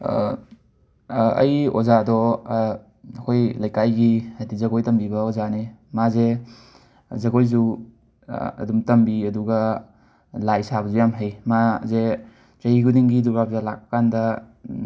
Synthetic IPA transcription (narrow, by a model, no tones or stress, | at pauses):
ɐ̰jo̰zadɔ | ɐkʰojlɐjkajɡiadizɐɡojtɐmbibɐozanemaze | zɐɡojzu | ɐ̰dumtɐmbiɐduɡɐ | lajsabɐzujamɦejmaze | zɐiɡudiŋɡiduɾapzalak̚kandɐ